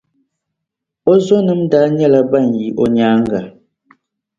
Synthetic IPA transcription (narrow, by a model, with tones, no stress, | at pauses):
ɔ˦zɔ˦nɨ˦m˦da˦ɲɛ˦la˨ba˦˨n˨ji˨ʔɔ˦ɲaː˨˦ŋ˦ɡa˨